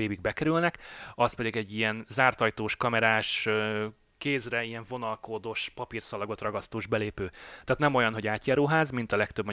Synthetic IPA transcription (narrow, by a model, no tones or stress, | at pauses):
eːbiɡ̚bɛkɛɾylnɛkɒspɛd̪iɡɛɟːijɛnzaːrt̪ɒjt̪oːʃkɒmɛɾaːʃø | keːzrɛijɛɱvo̞nɒlkoːd̪oʃpɒpirsɒlɒɡo̞t̪rɒɡɒst̪oːʒbɛleːpøːt̪ɛːt̪nɛmo̞jɒnɦo̞ɟaːt̪jaːɾoːɦaːzmint̪ɒlɛkt̪øbmɒ